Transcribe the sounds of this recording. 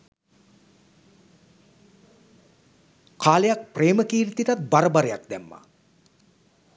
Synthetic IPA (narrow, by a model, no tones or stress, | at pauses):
kʰaːlejak̚preːməkiːɾit̪iʈat̪̚baɾəbaɾejak̚d̪æmːa̰